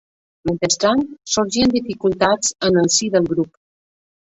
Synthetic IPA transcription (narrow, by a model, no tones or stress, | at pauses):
ment̪əst̪ɾansuɾʒiənd̪ifikulˠt̪at͡sənəlˠsiðəlˠɡɾup